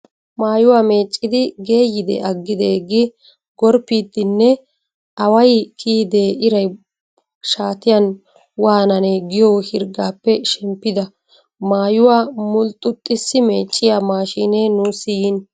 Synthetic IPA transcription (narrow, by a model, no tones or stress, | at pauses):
maːjʊwaːme̞ːt͡ʃʼːɪd̪ɪɡe̞ːjːɪd̪ɛ̰ʔɐɡːɪd̪eːɡːɪ | ɡɔɾpːiːt̪ːɪnːɛ | ɐwɐjkʰiːd̪eːʔɪɾɐj | ʃaːt̪ɪjɐn | waːnɐneːɡɪjoːhɪɾɡaːpːɛʃɛmpːɪd̪ɐ | maːjʊwaːmʊlt̪ʼʊt̪ʼːɪsːɪmeːt͡ʃʼːɪjaːmaːʃiːneːnʊsiːɪn